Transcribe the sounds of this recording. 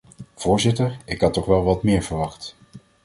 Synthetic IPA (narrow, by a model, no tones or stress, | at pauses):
v̥ʊːɹzɪtəɹɪkɦɑtːɔχʋɛlˠʋɑtmɪːɹv̥əɹʋɑχt